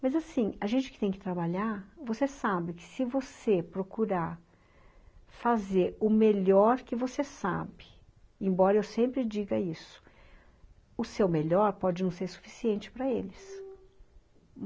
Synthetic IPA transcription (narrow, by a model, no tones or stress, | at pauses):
mɐzasĩɐʒẽnt͡ʃɪkɪ̥t̪ẽj̃kɪt̪ɾabaʎaɾvosesabɪkɪ̥sɪvosepɾokuɾaɾ | fazeɾʊmeʎɔɾkɪvosesa̰bɪ | ẽbɔɾɐewsẽmpɾɪd͡ʒiɡɐisʊ̥ | ʊsewmeʎɔɾpɔd͡ʒɪnɐ̃w̃seɾsu̥fi̥siẽnt͡ʃɪ̥pɾɐelɪs